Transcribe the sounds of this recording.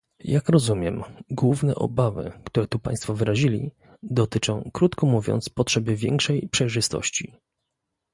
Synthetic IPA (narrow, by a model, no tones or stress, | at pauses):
jakɾɔzumʲjɛmɡwuvnɛ̰ʔɔ̰bavɘ̰kt̪uɾɛt̪upã̰j̃st̪fɔvɘɾaʑilʲḭ | d̪ɔt̪ɘt͡ʂɔ̃w̃kɾut̪kɔmuvʲjɔ̰nt̪spɔtʂɛbɘvʲjɛŋkʂɛjpʂɛjʐɘst̪ɔ̰ɕt͡ɕḭ